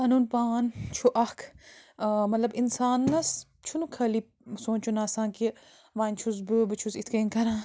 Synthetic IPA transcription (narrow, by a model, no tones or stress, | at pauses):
kaːnuːnpaːnt͡ʃʰuʔɐkʰ | mɐt̪lɐbinsaːnːɐs | t͡ʃʰunukʰɐli | soːnt͡ʃʰunaːsaːnki | ʋaːnʲt͡ʃʰus̬bɨbɨt͡ʃʰusit̪ʰkɐŋkɐɾãː